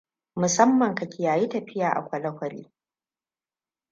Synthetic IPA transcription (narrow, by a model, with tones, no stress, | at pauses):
mʊ˨sɐ˦mːɐ˨ŋka˨kʲɪ˨jaː˨ji˦tɐ˨ɸɪ˦jaː˨ʔa̰˨kʷɐ˨lɐ˦kʷɐ˨ɾḭː˦